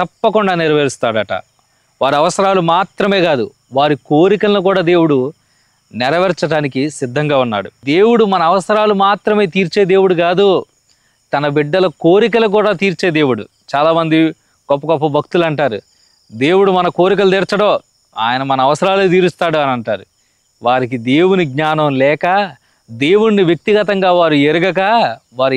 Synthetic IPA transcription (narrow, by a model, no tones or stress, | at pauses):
t̪ɐpːɐkuɳɖaːnɪɾɐʋeːɾist̪aːɽɐʈɐ̰ | ʋaːɾiɐʋɐsɐɾaːlumaːt̪ɾɐme̞ːɡaːd̪u | ʋaːɾikoːɾikɐlnukuːɽaːd̪e̞ːwuɽu | nɛɾɐʋɐɾt͡ʃɐɖaːnikisid̪ʱːɐŋɡaːunːa̰ːɽud̪e̞ːwuɽumɐnɐɐʋɐsɐɾaːlumaːt̪ɾɐme̞ːt̪iːɾt͡ʃe̞ːd̪e̞ːwuɽuɡaːd̪u | t̪ɐnɐbiɖːɐlɐko̞ːɾik̬ɐlɐk̬uːɽaːt̪iːɾt͡ʃe̞ːd̪e̞ːwuɽṵ | t͡ʃaːlaːmɐnd̪i | ɡ̥ɔpːɐɡɔpːɐbʱɐk̚t̪ulɐɳʈaːɾu | d̪e̞ːwuɽumɐnɐko̞ːɾik̬ɐlɐd̪eːɾt͡ʃɐɽoː | a̰ːjɐnɐmɐnɐːʋɐsɐɾaːlut̪iːɾust̪aːɽuɐnɐɳʈaːɾu | ʋaːɾik̬id̪e̞ːwuniɡ̚ɲaːnɐmlɛːkɐ | d̪e̞ːwuɽniʋjɐk̚t̪iɡɐt̪ɐŋɡaːʋaːɾueɾuɡɐk̬ɐʋaːɾ